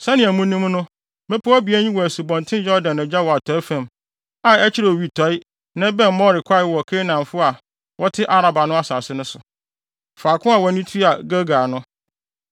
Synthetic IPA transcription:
sɛ˦nɪ̃˨æ˨mũ˦nĩ˦mnʊ̃˦ | mɛ̃˦pʰʊ˦a˦bi˨æ˦ɲĩ˦wɔ˨æ˨su˨bɔ̃˨ntʰɪ̃˦jɔ˦ɾdã˨nɛ̃˨d͡ʑa˦wɔ˨a˨tʰɔ˨˦fæ̃˨m | a˨ɛ˦t͡ɕʰɪ˦ɾɛ˨o˨ɥi˨tʰɔ˨˦ɪ˦ | nã˦bɛ̃˦m˨mɔ˦ɾɪ˨kʷʰa˦˨ɪ˦wɔ˨kʰe˦nã˨m˨fʊ˦a˨ | wɔ˦tʰɪ˦ʔa˦ɾa˨ba˨nʊ̃˦a˦saː˨sɪ˦nʊ̃˦sʊ˨ | faː˨kʰʊ̃˦a˨wɔ˨˦nĩ˦tʰi˦a˨ɡa˦ɡaː˨nʊ̃˦

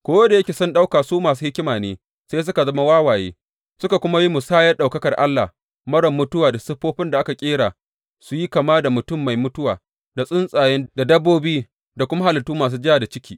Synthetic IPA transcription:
kʷoː˦wɐ˦da˨jɐ˦kʲe˨sʊ˦nɗa˦wkaː˨suː˦maː˨s̬uː˦hɪ˦kʲɪ˦maː˨neː˦ | sa˦js̬ʊ˦ka˨zɐ˦ma˦waː˦waː˨jḛː˦ | sʊ˦ka˨kʷʊ˦ma˦ji˦mʊ˨saː˦jɐ˦rɗa˨kɐ˦kɐ˨rʔa˦lːa̰˨ | mɐ˦ɽɐ˨mːʊ˦tʊ˦waː˨da˨sʊ˦ɸːoː˦ɸɪ˦nda˨ʔa˦ka˨kʲʼeː˦ɽaː˨ | su˨ji˦ka˨maː˦da˨mʊ˨tʊ˦mːa˨jmʊ˦tʊ˦waː˨ | da˨sʼʊ˦nsʼaː˨jɛ˦nda˨dɐ˦bːoː˦biː˦ | da˨kʷʊ˦ma˦ha˨lɪ˨tːuː˦maː˨s̬uː˦d͡ʒɪ˦jaː˨da˨t͡ʃɪ˦kʲʰiː˨

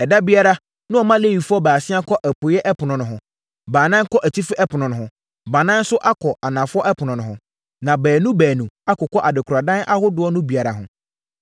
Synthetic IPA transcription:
ɛ˨da˦bi˦a˦ɾa˦ | nʊ̃˦ɔ˨mã˦le˦ji˨fʊ˦ɔ˦baː˨sɪ̃˦a˦kʰɔ˦ʔæ˨pʰʊ˨jɛ˦ʔɛ˦pʰʊ˨nʊ̃˨nʊ̃˨ɦʊ̃˨ | baː˨nã˦ŋ˦kʰɔ˦ʔæ˨t͡ɕʰi˦fɪ˦ʔɛ˦pʰʊ˨nʊ̃˨nʊ̃˨ɦʊ̃˨ | ba˨nã˦n̩˦sʊ˦ʔa˦kʰɔ˨ʔa˨nã˨fʊ˦ɔ˦ʔɛ˦pʰʊ˨nʊ̃˨nʊ̃˨ɦʊ̃˨ | nã˨bæː˨nũ˦bæː˨nũ˨a˦kʊ˨kʰɔ˦ʔa˨dɪ˨kʰʊ˨ɾa˨dã˦nʔa˦hʊ˦dʊ˨˦ɔ˦nʊ̃˦bi˨a˨ɾa˨ɦʊ̃˨

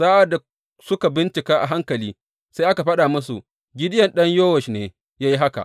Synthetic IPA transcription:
saː˦ʔa˨da˨ | sʊ˦ka˨bɪ˦nt͡ʃɪ˨kaː˦ʔa̰˨ɦa˦ŋkɐ˨liː˦ | sa˦jʔa˦ka˨ɸɐ˦ɗaː˨mʊ˦su˨ʔ | ɡʲɪ˦dɪ˦jɐ˨nɗɐ˦ɲjoː˦wɐ˨ʃneː˨ | jaː˦ji˦ɦa˦ka̰˨ʔ

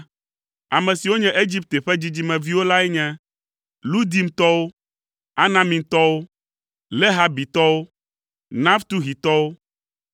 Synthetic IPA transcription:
a˨mɛ̃˨si˨wo˦ɲɛ̃˦ʔe˦d͡ʑi˦p̚t̪e˨ɸɛ˦d͡ʑi˦d͡ʑi˦mɛ̃˨vi˦wo˦la˦ɛ˦ɲɛ̃˦ | lu˦d̪i˨mt̪ɔ˦wo˦ | a˦nã˨mĩ˨t̪ɔ˦wo˦ | le˦ɦa˨bi˨t̪ɔ˦wo˦ | nã˦ft̪u˦ɦi˨t̪ɔ˦wo˦

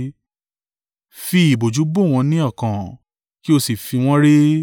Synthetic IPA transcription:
fi˧i˨bo˨d͡ʒu˨˦bo˦˨w̃ɔ̃˧nĩ˦ɔ˦˨kã˨ | ki˦o˧si˨fi˧w̃ɔ̃˦ɾe˦

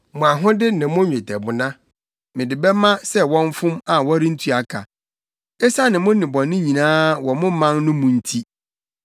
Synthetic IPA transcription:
mʊ̃˨a˨ɦʊ̃˦dɪ˦nɪ̃˨mʊ̃˦ɲᶣẽ˨tʰɛ˨bʊ˨nã˦ | mɪ̃˨dɪ˨bɛ˦mã˦sɛ˦wɔ̃˦ɱ˦fʊ̃˦ma˨wɔ˦ɾɪ̃˦n̩˦tʰɥa˨kʰa̰˨ | ɛ˦sa˦nɪ̃˨mʊ̃˦nɪ̃˨bɔ̃˨nɪ̃˦ɲĩ˨nãː˦wɔ˨mʊ̃˦mã˦nnʊ̃˦mʊ̃˨n̩˦tʰi˦

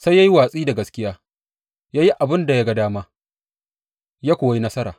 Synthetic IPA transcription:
sa˦ja˦ji˦waː˨sʼiː˦da˨ɡɐ˦skʲɪ˦jaː˦ | jaː˦ji˦ʔa˨bɪ˦nda˨ja˦ɡa˦daː˦maː˦ | jaː˦kʷʊː˨wa˦ji˦nɐ˦sɐ˦ɾaː˨

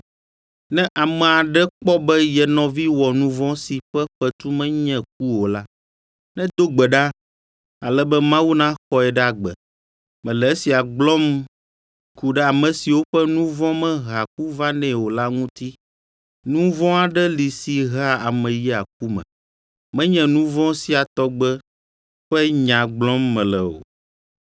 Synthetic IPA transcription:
nɛ̃˦ʔa˨mɛ˨a˨ɖɛ˦k͡pɔ˦bɛ˦jɛ˨nɔ̃˨vi˦wɔ˨nũ˦vɔ̃˦si˨ɸɛ˦ɸɛ˦t̪u˦mɛ̃˦ɲɛ̃˨k̚u˦wo˨la˦ | nɛ̃˦d̪o˦ɡ͡bɛ˨ɖa˦ | a˨lɛ˦bɛ˦mã˦wu˦nã˦xɔ˦ɛ˨ɖɛ˦a˨ɡ͡bɛ̰˨ | mɛ̃˨lɛ˨e˦si˨a˨ɡ͡blɔ˦m | ku˨ɖɛ˦a˨mɛ̃˨si˨wo˦ɸɛ˦nũ˦vɔ̃˦mɛ̃˦ɦa˨k̚u˦va˦nɛ̃˨wo˨la˦ŋũ˦t̪i˦ | nũ˦vɔ̃˦a˨ɖɛ˦li˨si˨ɦa˦a˨mɛ̃˨ji˦a˨k̚u˦mɛ̰̃˨ | mɛ̃˦ɲɛ̃˨nũ˦vɔ̃˦si˦a˨t̪ɔ˦ɡ͡bɛ˦ | ɸɛ˦ɲã˨ɡ͡blɔ̃˦mːɛ̃˨lɛ˨o̰˨

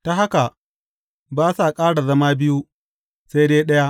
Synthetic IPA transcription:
ta˦˨ɦa˦ka˨ | baː˦sa˨kʼaː˦ɽa˨zɐ˦maː˦bɪ˦ju˦ | se˦jdeː˦ɗɐ˦ja˦

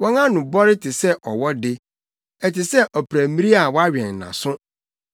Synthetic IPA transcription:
wɔ̃˦ŋã˦nʊ̃˨bɔ˦ɾɪ˦tʰɪ˨sɛ˦ʔɔ˨wɔ˦dɪ˦ | ɛ˨tɪ˨sɛ˦ʔɔ˨pʰɾæ˨mĩ˦ɾi˦a˨wɔ˦a˦ɥᶣɛ̃˨nː˨ã̰˨sʊ̃˦

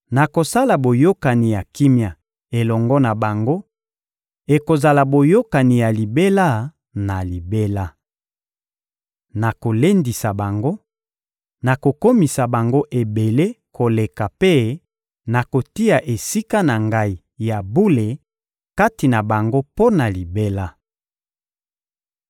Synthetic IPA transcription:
na˨ko˨sa˦la˨bo˨jo˦ka˨ni˨ja˨ki˦mja˨ | e˨lɔ˨ŋɡɔ˦na˨ba˨ŋɡo˦ | e˨ko˨za˨la˨bo˨jo˦ka˨ni˨ja˨li˨be˦la˦ | na˨li˨be˦la˦ | na˨ko˨le˦ndi˨sa˨ba˨ŋɡo˦ | na˨ko˨ko˦mi˨sa˨ba˨ŋɡo˦ʔe˨be˨le˦kʰo˨le˨ka˨pe˦ | na˨ko˨ti˦a˨ʔe˨si˦ka˦na˨ŋɡa˦i˨ | ja˨bu˦le˨ | ka˦ti˨na˨ba˨ŋɡo˦po˦na˨li˨be˦la˦

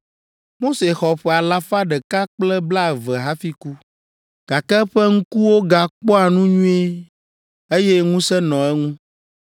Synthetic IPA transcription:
mo˦se˨xɔ˨ɸɛ˨a˨la˦fa˦ɖɛ˨ka˦k͡plɛ˦bla˦˨vɛ˨ɦa˦fi˦ku˦ | ɡ̥a˨kɛ˦ɸɛ˦ŋ̩̃˦ku˦wo˦ɡa˨k͡pɔ˦a˨nũ˦ɲũ˦e˦ | e˦jɛ˦ŋũ˦sɛ˦nɔ̃˨ɛ˦ŋũ˦

